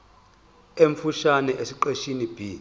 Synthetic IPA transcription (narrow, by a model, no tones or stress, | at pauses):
eɱfuʃanɛʔesiǃeʃinib̥ʱiː